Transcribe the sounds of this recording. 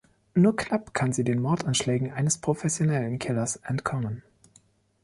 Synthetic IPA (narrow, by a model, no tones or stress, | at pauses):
nuːɐknapkʰanziːdeːnmɔɐtanʃlɛːɡŋ̩ʔaɪnəspʁ̥ofɛsjonɛlənkʰɪlɐsʔɛntkʰɔmən